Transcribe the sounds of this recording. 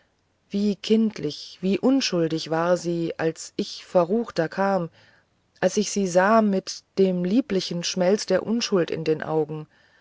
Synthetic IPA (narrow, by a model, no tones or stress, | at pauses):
v̥iːkʰɪntʰlɪçv̥iːʔʊnʃʊldɪçv̥aːɐziːʔalsʔɪçfɛɐʁuːxtɐkʰaːm | ʔalsɪçz̥iːzaːmɪtd̥eːmliːplɪçn̩ʃmɛlt͡sd̥eːɐʔʊnʃʊltɪ̰ndeːnʔa̰ʊɡŋ̩